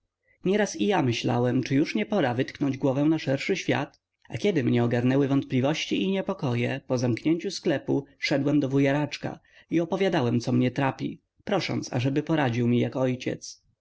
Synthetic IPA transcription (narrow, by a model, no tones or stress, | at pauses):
ɲɛɾasijamɘɕla̰wɛmt͡ʂɘjuʂɲɛpɔɾavɘt̪knɔɲd͡ʑɡwɔvɛw̃naʂɛɾʂɘɕfʲja̰t̪ | akʲɛd̪ɘmɲɛɔɡaɾnɛwɘvɔnt̪̚plʲivɔɕt͡ɕiiɲɛpɔkɔjɛpɔzamkɲeɲt͡ɕusklɛpuʂɛd̪wɛmd̪ɔvujaɾat͡ʂka̰ | iɔpɔvʲjad̪awɛmt̪sɔmɲɛt̪ɾapʲḭ | pɾɔʂɔ̰nt̪sa̰ʐɛbɘpɔɾad͡ʑiwmʲijakɔjt͡ɕɛ̰t̪s